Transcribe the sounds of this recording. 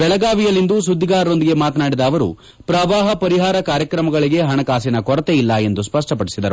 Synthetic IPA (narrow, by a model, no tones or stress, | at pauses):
bɛɭɐɡaːʋijɐlːind̪us̬ud̪ʱːiɡaːɾo̞nd̪iɡe̞maːt̪naːɽid̪ɐːʋɐɾṵ | pɾɐʋaːɦɐpɐɾiɦaːɾɐkaːɾjɐkɾɐmɐɡɐɭiɡe̞ɦɐɳɐkaːs̬inɐkɔɾɐt̪eilːɐe̞nd̪uspɐʂʈɐpɐɽisid̪ɐɾu